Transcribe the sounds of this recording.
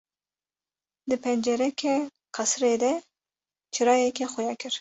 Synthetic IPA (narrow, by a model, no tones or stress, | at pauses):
d̪ɨpʰɛnd͡ʒɛɾɛkʲʰɛ | qʰɑsɾeːd̪ɛ | t͡ʃʰɨɾɑːjɛkʲɛxɔjɑːkʰɨɾ